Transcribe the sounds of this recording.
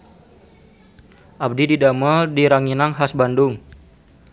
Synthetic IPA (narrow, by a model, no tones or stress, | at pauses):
ʔab̚dididaməldiɾaŋinaŋɦasbandʊŋ